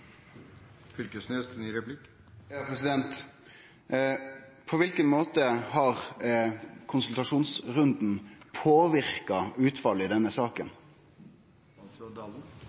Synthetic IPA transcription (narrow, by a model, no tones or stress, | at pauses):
fʏɾkəsneːst̪ʰnyːɾɛplɪkː | pʰɾɛsɪd̪ɛnt̪ | pʰɔʋɪlkənmoːt̪əhɑʁ | kʰʊnsʉlt̪ɑʂuːnsɾʉnd̪n̩pʰoːʋɪɾkɑʉːt̪fɑləɪd̪ɛnːəsɑːkən | d̪ɑl̩